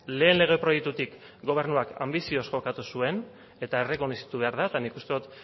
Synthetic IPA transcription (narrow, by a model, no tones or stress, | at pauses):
le̞ːnle̞ɣ̞e̞pɾo̞jek̚t̪ut̪ik | ɡo̞β̞e̞ɾnuaka̰mbisio̞sʝo̞kat̪usue̞n | e̞t̪aere̞ko̞nisi̥t̪uβe̞aɾðaet̪anikust̪eðut̪